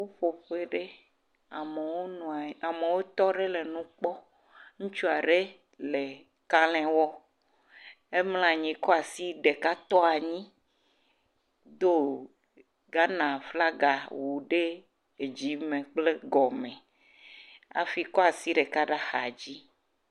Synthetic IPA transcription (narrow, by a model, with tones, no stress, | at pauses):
wo˦ɸo˨ɸe˦ɖe˦ | a˨me˨wo˦nũ˨a˨a˨me˨wo˦t̪ɔ˦ɖe˦le˨nũ˦k͡pɔ˦ | ŋũ˦t͡ʃu˦a˨ɖe˦ | le˨ | ka˦lɛ̃˦wɔ˦ | e˦ml̃ã˨ɲĩ˨kɔ˦a˨si˦ɖe˨ka˦t̪ɔ˦a˨ɲĩ˦ | d̪o˦ | ɡa˦nã˨fla˦ɡa˨wu˨ɖe˦ | e˨d͡ʑi˦mẽ˨k͡ple˦ɡɔ˨mẽ˨ | a̰˨fi˦kɔ˦a˨si˦ɖe˨ka˦ɖa˦xa˨d͡ʑi˦